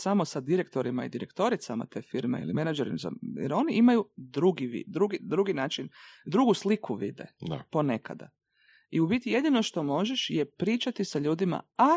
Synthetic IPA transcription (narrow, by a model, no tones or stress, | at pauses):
samosad̪iɾekt̪o̞ɾimaid̪iɾekt̪o̞ɾit̪sama̰t̪e̞ːfiɾmḛḭlḭmenad͡ʒeɾḭmza̰j̰ɾo̞niʔimajud̪ɾuɡiʋḭd̪ɾuɡid̪ɾuɡinaːt͡ʃind̪ɾuɡuslikʰuʋḭd̪ḛa̰po̞ne̞ka̰d̪a̰ | iubit̪ije̞d̪ino̞ʃt̪o̞mo̞ʒeʃjepɾiːt͡ʃat̪isaʎuːd̪ima̰a